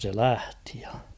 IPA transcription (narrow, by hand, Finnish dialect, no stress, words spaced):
se læhti̥ j̊ɑ̥